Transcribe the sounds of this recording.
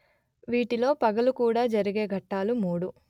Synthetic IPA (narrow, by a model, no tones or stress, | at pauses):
ʋiːʈilo̞ːpɐɡɐlukuːɽaːd͡ʒɐɾiɡe̞ːɡʱɐʈːaːlumuːɽu